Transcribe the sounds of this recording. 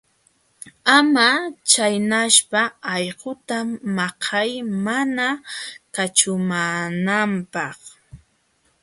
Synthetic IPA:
amat͡ʃajnaʃpaɑjɢʊt̪amːɑqʰɑjmanakat͡ʃʊmanampɑχ

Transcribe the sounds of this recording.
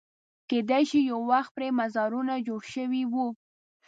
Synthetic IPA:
ked̪ajʃijawwaxt̪̚pɾemazɑɾunad͡ʒoɽʃəwiwu

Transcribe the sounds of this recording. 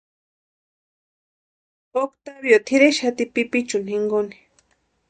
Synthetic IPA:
okt̪abjot̪ʰiɾeʃat̪ipipit͡ʃʊnhiŋɡoni̥

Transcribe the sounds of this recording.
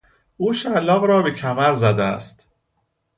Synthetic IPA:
ʔuːʃælːɒːɣɾɒːbecʰæmæɾzæd̪eæ̰st̪

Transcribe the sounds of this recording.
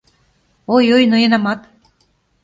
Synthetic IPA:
ojojnojɤ̆nɑmɑt̪

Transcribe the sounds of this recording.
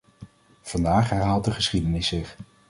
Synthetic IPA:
v̥ɑndaːχɦɛɹɦaːlˠt̚dəχəsχidənɪsɪχ

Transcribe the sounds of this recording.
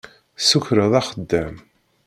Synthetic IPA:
suçɾəðˤɑχəd̪ːæm

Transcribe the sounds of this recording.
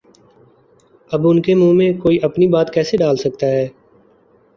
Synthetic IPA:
ɐbʊnkemũːmẽkoːiʔɐpnibaːt̪kɛːseɖaːlsɐk̚t̪aɦɛː

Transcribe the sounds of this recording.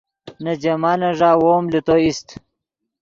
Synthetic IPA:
nɐd͡ʑɐmaːlɐʐaːwoːmlit̪oist̪

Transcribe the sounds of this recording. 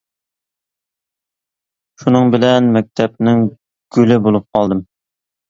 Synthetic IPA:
ʃunɨŋbɪlɛnmɛk̚ʲt̪ʰɛpnɪŋ | ɡ̥ʲylɪbolˠup̚qʰɑlˠd̪ɨm

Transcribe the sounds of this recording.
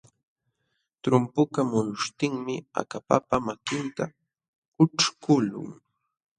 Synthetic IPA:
t̪ɾʊmpʊkamʊnʊʃt̪ɪŋmɪa̰kapa̰pamakɪnt̪a | ʊʈ͡ʂkʊlʊ̰ŋ

